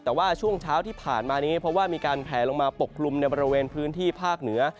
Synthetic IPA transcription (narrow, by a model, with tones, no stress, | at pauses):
t̪ɛː˨˩waː˥˩t͡ɕʰu˥˩əŋt͡ɕʰaː˦˥wt̪ʰiː˥˩pʰaː˨˩nmaː˧ja˧ŋi˦˥pʰɾɔ˦˥waː˥˩miː˧kaː˧npʰɛː˨˩lo˧ŋmaː˧po˨˩kʰːlu˧mna˧jbɔː˧ɾi˦˧weː˧npʰɯː˦˥nt̪ʰiː˥˩pʰaː˥˩k̚nɯ˩˦ɐ